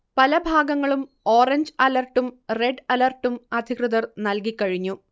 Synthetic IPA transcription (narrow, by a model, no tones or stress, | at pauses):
pɐlɐbʱaːɡɐŋːɐɭum | oːrɐɲd͡ʑɐlɐrʈːumreɖɐlɐrʈːumɐd̪ʱikrɨðɐrnɐlkikːɐɻiɲːu